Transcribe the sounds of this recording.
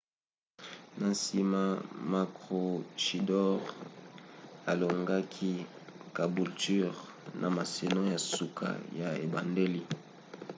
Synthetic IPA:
na˨si˦ma˦ma˨kʁo˨ʃi˨dɔ˦ʁ | a˨lo˨ŋɡa˦kʰi˦ | ka˨bu˨lty˦ʁ | nʔa˨ma˨se˨nɔ̃˦ja˨su˨kʰa̰˦ja˨e˨ba˨nde˦li˦

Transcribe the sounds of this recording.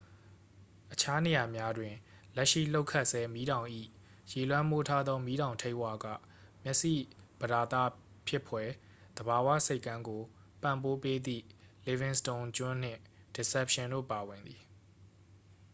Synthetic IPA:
ʔət͡ɕʰa˦ne˨ja˨mja˦dwɪ̃˨ | lɛ˦ʔʃḭ˦˨lo˦ʊkʰa˦ʔsɛ˦mi˦ɾã˨ʊ̃ʔḭ˦˨ | je˨lwã˦mbo˦tʰa˦d̪ðɔ˦mi˦ɾã˨ʊ̃ntʰẽ˦ɪʔwa˦˨ɡä̰˦˨ | mjɛ˦ʔsḭ˦˨b̥əda˨t̪a̰˦˨ | pʰjɪ˦pʰwɛ˦ | d̪̥əba˨wa̰˦˨se˦ɪkːã˦ŋɡo˨ | pã̰˦˨mpo˦pe˦d̪ḭ˦˨ | le˨vɪ̃˨nstõ˨nt͡ɕʊ̃˦n̥ɪ̰̃˦˨ | d̥i˨sɛ˦p̚ʃɪ̃˨ndo̰˦˨pa˨wɪ̃˨nd̪ði˨

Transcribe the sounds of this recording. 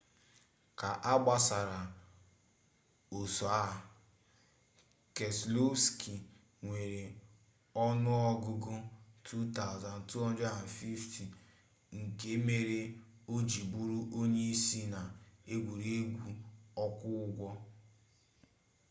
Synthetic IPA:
ka˨ʔa˦ɡ͡ba˦sa˨ɾa˨ | o˨so˨a˦ | ke˨slo˦ski˨ | ŋʷe˨ɾe˨ | ɔ˦nʊ˦ɔ˦ɡʊ˦ɡʊ˦tʰu˦ta˦˨ʊ˨za˨n̩˨tu˦ɔ˦n˦d͡ʒa˦a˨n˨fi˦fti˨ | ŋ̩˨ke˦me˦ɾe˦o˦d͡ʒi˨bu˦ɾu˦ʔo˦ɲe˦i˦si˦na˨e˦ɡʷu˨ɾe˦e˦ɡʷu˦ɔ˦kʷʊ˦ɡʷɔ˦

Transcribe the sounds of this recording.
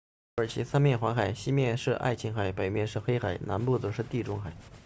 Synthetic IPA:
ə˞˨˩t͡ɕʰi˧˥sa˥nmjɛ˥˩nxwa˧˥nxa˨˩ɪɕi˥mjɛ˥˧nʂɻ̩˥˧ʔa̰˥˩ɪt͡ɕʰi˧˥ŋxa˨˩ɪpe˨˩ɪmjɛ˥˧nʂɻ̩˥˩xe˥ɪxa˨˩˦ɪna˧˥npu˥˩t͡sɤ˨˧˩ʂɻ̩˥˧t̪i˥˩ʈ͡ʂʊ˥ŋxa˨˩˦ɪ

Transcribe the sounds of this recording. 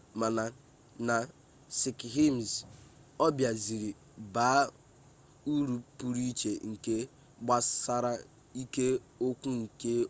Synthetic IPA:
ma˨na˨ | na˨ | sɪ˨kɦi˦m˨zɔ˦bja˨zi˨ɾi˨ | baː˨˦ | u˦ɾu˨pu˨ɾi˦t͡ʃe˨ŋ̩˨ke˦ | ɡ͡ba˦sa˦ɾa˦ | i˦ke˦o˦kʷu˦ŋ̩˨ke˦

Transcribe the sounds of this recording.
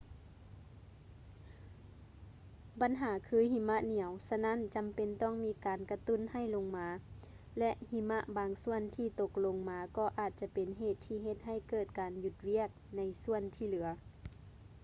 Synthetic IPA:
ba˨˦nɦaː˨˦kʰɯː˧˦hi˧˩ma˧˥ʔni˨˩˦əwsa˧na˧˥˨nt͡ɕa˨˦mpe˨nt̪ɔː˥˨ŋmiː˧˥kaː˨nka˧t̪u˧˥˨nha˧˩jlo˧ŋmaː˨˧ | lɛ˧ʔhi˧ma˧ʔbaː˨˧ŋsu˧˩˨ənt̪ʰiː˧˩t̪o˧˩k̚lo˧ŋmaː˧kɔː˧˩ʔaː˨˩t̪̚t͡ɕa˧˥pe˨nɦeː˧˩t̪ʰːiː˧ɦe˧t̪̚ɦa˧˩jt̪̚kɤː˧˩t̪̚kaː˨nju˧t̪̚wi˧˥˩ək̚na˧jsu˧˨ənt̪ʰiː˧˩lɯ˨˩˦ɐ

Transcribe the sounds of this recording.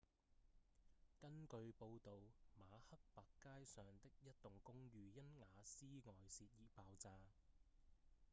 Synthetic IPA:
kɐ˥nkɵ˧ɥpo˧wt̪o˨wmaː˨˧hɐ˥k̚paː˨kːaː˥jsœː˨ŋt̪ɪ˥k̚jɐ˥t̚t̪ʊ˨˩ŋkʊ˥ŋɥyː˨˧jɐ˥nŋaː˨˧siː˥ŋɔː˨jsiː˧t̚jiː˨˧paː˨˧wt͡saː˧

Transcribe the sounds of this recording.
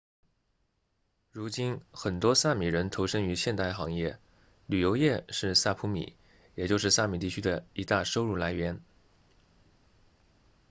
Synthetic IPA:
ɻu˧˥t͡ɕi˥nxə˨˩nt̪wɔ˥sa˥˩mi˨˩ɻə˧˥nt̪ʰo˧˥ʊʂɤ˥ŋy˧˥ɕjɛ˥˧nt̪a˥˩ɪxɑ˧˥ŋjɛ˥˩ | ly˨˩jo˧˥ʊjɛ˥˧ʂɻ̩˥˧sa˥˩pʰu˧˥mḭ˨˩˦ | jɛ˨˩t͡ɕjo˥˧ʊʂ̬ɻ̩˥˧sa˥˩mi˨˩t̪i˥˩t͡ɕʰy˥d̪ə˨i˧˥t̪a˥˩ʂo˥ʊɻu˥˩la˧˥ɪɥɛ˧˥n

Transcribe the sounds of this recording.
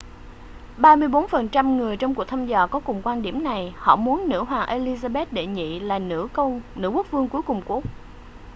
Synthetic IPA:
ɓaː˧mɨ˧əjɓo˨˦nfə˨˩nt͡ɕa˧mŋɨ˨˩əjt͡ɕɔ˧wŋ͡mku˨˩ək̚t̪ʰa˧mzɔ̰ː˧˨kɔ˨˦kʊ˨˩ŋ͡mkwaː˧nɗi˧˩əmna˨˩jhɔ̰˧˨mu˨˦ənːɨ̰˧˥ɦwaː˨˩ʔe˧li˧zaː˧ɓe˦˥t̚ɗe˧˩ɲḭ˧˨laː˨˩nɨ̰˧˥˧nɨ̰˧˥ku˦˥ək̚vɨ˧əŋku˨˦jkʊ˨˩ŋ͡mku˦˥ək̚

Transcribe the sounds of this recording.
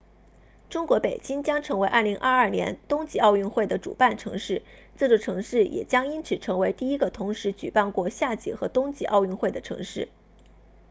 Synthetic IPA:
ʈ͡ʂʊ˥ŋkwɔ˧˥pe˨˩ɪt͡ɕi˥ŋt͡ɕjɑ˥ŋʈ͡ʂʰɤ˧˥ŋwe˧˥ɪʔɐ˥˩li˧˥ŋʔɐ˥˧ɐ˞˥˩njɛ̰˧˥nt̪ʊ˥ŋt͡ɕi˧˥ɑ˥˧ʊy˥˧nxwe˥˩ɪd̪ə˩ʈ͡ʂṵ˨˩pa˥˩nʈ͡ʂʰɤ̰˧˥ŋʂɻ̩˥˩ | t͡sɹ̩˥˧ʈ͡ʂo˥˩ʈ͡ʂʰɤ˧˥ŋʂɻ̩˥˩jʔɛ̰˨˩t͡ɕjɑ˥ŋi˥nt͡sʰɹ̩˨˩ʈ͡ʂʰɤ˧˥ŋwe˧˥ɪt̪i˥˩i˥ɡə˨t̪ʰʊ˧˥ŋʂɻ̩˧˥t͡ɕy˨˩pa˥˧nkwɔ˥˧ɕja˥˩t͡ɕḭ˧˥˩xɤ˧˥t̪ʊ˥ŋt͡ɕḭ˧˥ʔɑ˥˧ʊy˥˧nxwe˥˩ɪd̪ə˩ʈ͡ʂʰɤ̰˧˥ŋʂɻ̩˥˩

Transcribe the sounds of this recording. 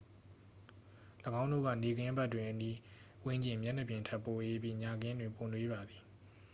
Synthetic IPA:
ləɡã˦ʊ̃no̰˦˨ɡä̰˦˨ne˨ɡɪ̃˦ba˦˨tːwɪ̃˨ʔəni˦ | wɪ̃˦ɲd͡ʑɪ̃˨mjɛ̃˦˨nə˨pjɪ̃˨ntʰɛ˦ʔpːo˨ʔe˦pjḭ˦˨ɲa˨ɡɪ̃˦ndwɪ̃˨po˨nwe˦ba˨d̪i˨

